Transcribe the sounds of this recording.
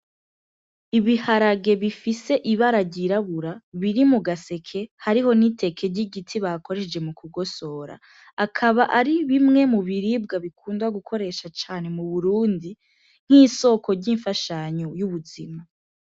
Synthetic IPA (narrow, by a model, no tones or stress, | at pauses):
iβihaɾaɡe̞βifise̞ʔiβaɾaɟiɾaβuɾaβiɾimuɡase̞kʰe̞haɾiɦo̞nite̞kʰe̞ɟiɡitʰiβako̞ɾeʃd͡ʒe̞mukuɡo̞so̞ːɾa̰ː | kʰaβaʔaɾiβimŋe̞muβiɾiːb̚ɡaβikʰuːndwaɡukʰo̞ɾe̞ʃat͡ʃaːne̞muβuɾuːndi | n̥iːso̞ko̞ɾɟiɱfaʃaːɲojuβuzima